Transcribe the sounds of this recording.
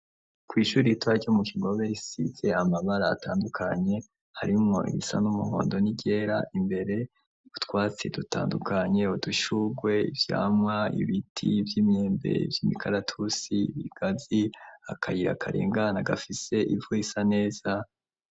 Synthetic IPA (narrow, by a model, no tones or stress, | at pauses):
kwiːʃuːɾiitwaomukiɡo̞βe̞isḭze̞amaβaɾaːtaːndukʰaɲe̞ | haɾimŋo̞ḭβḭsa̰numuho̰ːndo̞niɟe̞ːɾaʔimbe̞ɾe̞ | utwaːt͡se̞duta̰ːndukaɲe̞uduʃuɡwe̞ivja̰ːmŋwaḭβitʰivjimeːmbe̞̰ḭvjimikʰaɾatʰusiβiɡ̥aziakajiɾa̰kʰa̰ɾḭːŋɡanaɡafise̞ʔivuisane̞ːz̥a